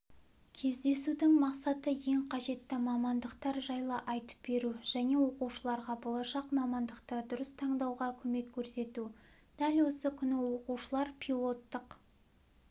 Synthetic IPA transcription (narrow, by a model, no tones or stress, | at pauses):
kʲʰe̞zd̪e̞sud̪ɪŋmɑqsɑt̪əje̞ŋqʰɑʒe̞t̪ːɪmɑmɑnd̪əqt̪ɑɾʒɑjlˠəʔɑjt̪ə̥p̚be̞ɾuʒ̥æne̞wo̞quʃəlˠɑɾʁɑbo̞lˠɑʃɑqmɑmɑnd̪əqt̪əd̪ʊɾəst̪ʰɑɴd̪ɑwʁɑkʲʰɵme̞kʲʰːɵɾse̞t̪u | d̪̥ælwo̞səkʲʰʏnɪwo̞quʃəlˠɑɾpʰilˠo̞t̪ːəq